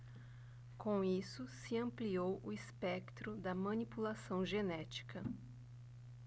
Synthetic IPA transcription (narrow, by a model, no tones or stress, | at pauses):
kõw̃isʊsɪɐ̃mpliowʔʊispɛkt̪ɾʊd̪ɐmɐ̃nipulasɐ̃w̃ʒenɛt͡ʃi̥kɐ